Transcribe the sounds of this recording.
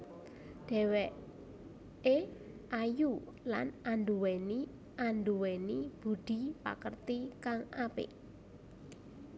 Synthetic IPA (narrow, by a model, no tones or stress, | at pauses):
d̪̥ɛ̤wɛʔ | e | ʔaju | la̰nanduwɛni | ʔanduwɛnib̥ṳɖ̪̥i̤pa̰kərt̪ikaŋapɪ̰ʔ